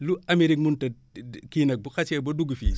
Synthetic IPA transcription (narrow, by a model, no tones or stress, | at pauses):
luameɾikmuntɐ | kiːnɐk̚buxatebɐduɡufḭ